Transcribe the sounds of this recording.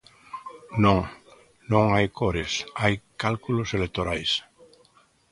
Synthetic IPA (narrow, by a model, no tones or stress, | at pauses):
nõŋ | nõŋajkoɾesajkalkuloselek̚t̪oɾajs